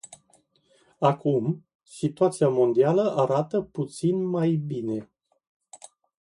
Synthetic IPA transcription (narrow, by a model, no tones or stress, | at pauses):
akum | sit̪uat̪siamo̞nd̪ialəʔaɾat̪əput̪sinmajbine̞